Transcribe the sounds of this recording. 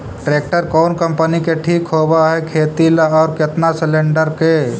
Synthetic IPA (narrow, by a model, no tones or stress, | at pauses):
ʈɾeːk̚ʈəɾkɔːnkə̃mpənikeʈʰiːkɦoːbaɦɛkʰeːt̪ilaɔːɾkɪt̪nasɪlẽɳɖəɾkeː